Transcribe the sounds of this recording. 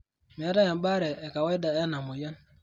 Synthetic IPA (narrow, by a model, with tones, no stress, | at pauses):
mi˨a˦ɾa˦ja˨m˦ba˦ɾɛ˨ɛ˨ka˨wa˦i˦da˨ɛ˦na˨mʊ˨ja˦n